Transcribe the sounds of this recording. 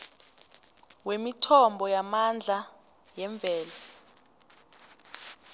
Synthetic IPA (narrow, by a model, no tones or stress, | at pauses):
wemitʰɔmbʱɔjamand͡ɮʱa | jɛɱb̪vʱɛːla